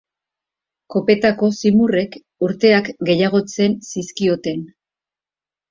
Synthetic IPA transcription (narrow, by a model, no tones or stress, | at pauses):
ko̞pe̞t̪ako̞simure̞k | uɾt̪e̞akɡe̞jaɣ̞o̞t͡se̞nsiskio̞t̪e̞n